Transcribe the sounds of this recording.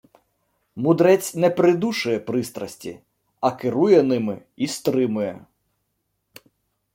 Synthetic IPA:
mʊd̪ɾɛt͡sʲnɛpɾɪd̪uʃʊjɛpɾɪst̪ɾɐsʲtʲḭ | ɐkɪɾujɛnɪmɪ | ist̪ɾɪmʊjɛ

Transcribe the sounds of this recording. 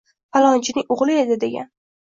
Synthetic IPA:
falˠɒnt͡ʃʰɪnɪŋʊʁlˠɪe̞d̪ɪd̪e̞ɡʲa̰n

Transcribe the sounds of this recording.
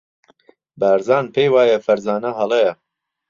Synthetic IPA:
baːɾzaːnpʰejwaːjɐfɐɾzaːnɐɦɐlˠejɐ

